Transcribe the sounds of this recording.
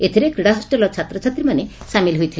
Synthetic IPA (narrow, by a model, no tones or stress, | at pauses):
et̪ʰiɾekɾiɽaɦɔsʈelɔt͡ʃʰat̪ɾɔt͡ʃʰat̪ɾimanesamilɦojt̪ʰil